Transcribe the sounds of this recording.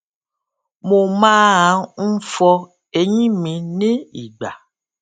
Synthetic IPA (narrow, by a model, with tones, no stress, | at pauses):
mo˧mãː˦ã˨˦n̩˦fɔ˧ | e˧ɲĩ˦mĩ˧nĩ˦i˨ɡ͡ba˨